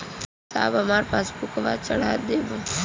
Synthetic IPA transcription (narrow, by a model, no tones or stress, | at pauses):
sa̰ːbəmaːɾepaːspukʋat͡ʃəɽ̤aːd̪eːbə